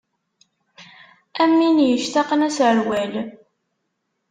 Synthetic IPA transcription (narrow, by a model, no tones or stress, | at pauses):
æmːinjəʃt̪ɑqnæsʕəlwæl